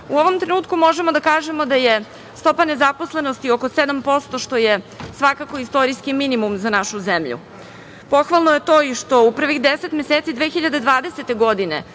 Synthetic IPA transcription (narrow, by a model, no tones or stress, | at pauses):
uoʋo̞mt̪ɾenuːt̪kumo̞ʒe̞mod̪akaːʒe̞mo̞d̪aje | st̪o̞pane̞zaposle̞nost̪ioko̞sed̪ampo̞st̪o̞ʃt̪o̞je | sʋakako̞ist̪o̞ɾiskiminimumzanaʃuzemʎṵ | po̞xʋalˠnoje̞t̪oːiʃt̪o̞upr̩ʋixd̪eset̪me̞seːt̪sid̪ʋexiʎad̪ed̪ʋaːd̪eset̪e̞ɡo̞d̪inḛ